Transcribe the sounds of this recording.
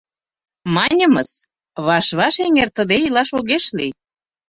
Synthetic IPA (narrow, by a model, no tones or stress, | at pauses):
mɑnʲə̆mɤs | βɑʃβɑʃeŋert̪əd̪eilɑʃoɣeʃli